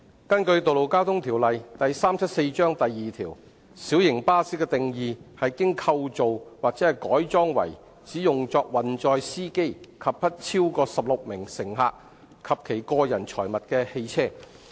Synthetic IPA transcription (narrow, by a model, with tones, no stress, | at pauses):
kɐ˥nkɵ˧ɥt̪o˨wlo˨˩wkaː˥wt̪ʰʊ˥ŋt̪ʰiː˨˩wlɐ˨jt̪ɐ˨jsaː˥mt͡sʰɐ˥t̚se˧jt͡ʃœː˥ŋt̪ɐ˨jːiː˨t̪ʰiː˨˩w | siː˨˥wjɪ˨˩ŋpaː˥siː˥kɛ˧t̪ɪ˨ŋjiː˨˧hɐ˨jkɪ˥ŋkʰɐ˧wt͡so˨wwaː˨k̚t͡sɛ˨˥hɐ˨jkɔː˨˥jt͡sɔː˥ŋwɐ̰˨˩j | t͡siː˨˥jʊ˨ŋt͡sɔː˧k̚wɐ˨nt͡sɔː˧jsiː˥ke˥jkʰɐ˨p̚pʰɐ˥t̚t͡sʰi˥wkɔː˧sɐ˨p̚lʊ˨k̚mɪ˨˩ŋsɪ˨˩ŋɦa̰ː˧k̚ | kʰɐ˨p̚kʰe˨˩jkɔː˧jɐ˨˩nt͡ʃʰɔː˨˩jmɐ˨t̚kɛː˧he˧jt͡sʰɛː˥˩